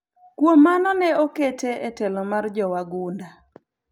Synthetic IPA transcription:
kwomːanɔnɛoketeʔetɛlɔmard͡ʒɔwaɡunda

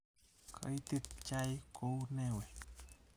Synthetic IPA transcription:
kʰə̰jt̪ɨt̪t͡ʃajkownewe

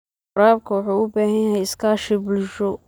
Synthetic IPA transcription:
ɾaːb̚kʰɐwɑħuːʊbaːɦɐjaɦɛjɪskʰaːʃɪbʊlʊʃɔ

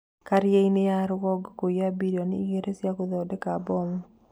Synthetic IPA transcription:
kaɾjeinejaɾɡɔɡkojabiɾjɔniɡeɾesjakoðɔdekabɔmɔ

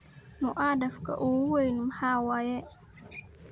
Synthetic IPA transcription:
nuʔadafka̰ʔowejnumhawajɛ

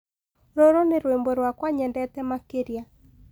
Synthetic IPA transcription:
ɾoɾoneɾwembɔɾwakwaɲɛndɛtɛmakeɾja

